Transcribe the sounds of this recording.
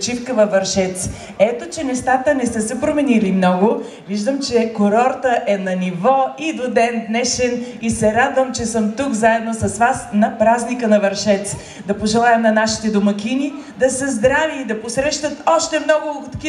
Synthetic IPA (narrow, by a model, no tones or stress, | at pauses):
t͡ʃifkəvɐvɐɾʃɛt̪s | ɛt̪ot͡ʃɛnɛst̪at̪ənɛsəsɛpɾomɛnilimnɔɡo | viʒd̪əmt͡ʃɛkoɾɔɾt̪əʔɛnɐnivɔid̪od̪ɛnd̪nɛʃɛnisɛɾad̪vəmt͡ʃɛsəmt̪ukzaɛd̪nosɐsvasnɐpɾaznikənɐvɐɾʃɛt̪s | d̪ɐpoʒɛlˠaɛmnɐnaʃi̥t̪ɛd̪omɐkʲinid̪ɐsəzd̪ɾaviːd̪ɐposɾɛʃt̪ət̪ɔʃt̪ɛmnɔɡʊt̪ki